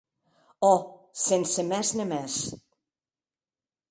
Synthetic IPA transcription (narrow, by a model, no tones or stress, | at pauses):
osensɘ̆mæʃnɘ̆mæʃ